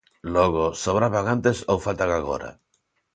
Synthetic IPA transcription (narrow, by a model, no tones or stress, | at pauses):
loɣ̞osoβ̞ɾaβaŋant̪esowfalt̪aŋaɣo̰ɾa̰